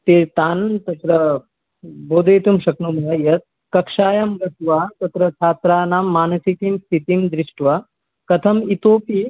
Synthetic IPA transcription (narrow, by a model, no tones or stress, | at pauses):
t̪eːt̪aːnt̪ɐt̪ɾɐ | boːd̪ʱɐjt̪umʃɐknumɦɐjɐt̪̚ | kɐkʂaːjɐmɡɐsʋaːt̪ɐt̪ɾɐt͡ʃʰaːt̪ɾaːnaːmːaːnɐsikiːmst̪ʰit̪imd̪ɾiʂʈʋa | kɐt̪ʰɐmit̪oːpi